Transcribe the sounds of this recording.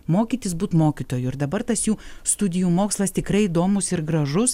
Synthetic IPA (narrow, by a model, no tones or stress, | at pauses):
moːkʲit̪ʲɪsbuːt̪moːkʲiːt̪oːjuɪɾd̪ɐbɐɾt̪ɐsjuːst̪ʊd̪ʲɪjuːmoːkslˠɐst̪ʲɪkɾɐɪid̪oːmʊsɪɾɡɾɐʒʊs